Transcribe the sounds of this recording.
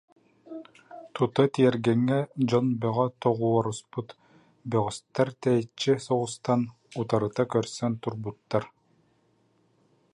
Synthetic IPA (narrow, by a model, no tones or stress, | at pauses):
t̪ut̪at̪iɛɾɡɛŋːɛd͡ʑɔnbœʁɔt̪ɔʁuɔɾusput̪ | bœʁyst̪ːaɾt̪ɛjt͡ʃːisɔʁust̪an | ut̪aɾɯt̪akœɾsɛnt̪uɾbut̪ːaɾ